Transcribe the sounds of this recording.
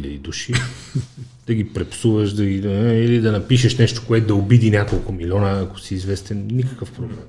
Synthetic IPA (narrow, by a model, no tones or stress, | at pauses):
ilʲɐd̪id̪uʃi | d̪̥ɐɡ̟ipɾɛpsuvəʃd̪ɐɡiilid̪ɐnɐpiʃəʃnɛʃt̪o̥koɛt̪ʊd̪ɐobid̪inʲakolˠkʊmilʲɔnəːko̥siːzvɛst̪ɛnnʲikə̥kəfpɾoblɛm